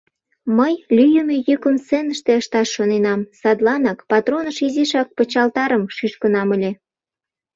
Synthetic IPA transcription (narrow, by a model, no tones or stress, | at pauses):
məjlʲyjəmejəkəmsenəʃt̪eəʃt̪ɑʃːonenɑmsɑd̪lɑnɑkpɑt̪ronəʃiziʃɑk̚pət͡ɕɑlt̪ɑɾəmʃyʃkənɑməlʲe